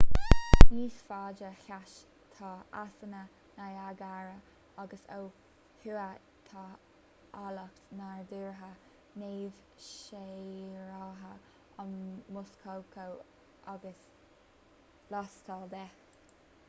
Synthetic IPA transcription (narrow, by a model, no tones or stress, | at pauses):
niːsfaːd͡ʒəxʲaʃ | t̪ʰɑasənə | najaɡaɹə | aɡəsow | huːə | t̪ʰɑ | aləkt̪naɹd̪uːɹɦə | neːv̥ | ʃejɹɑːɦə | anmʊskʰowkʰəw | ʔaɡəs | lɔst̪ʰɑːd̪ɛx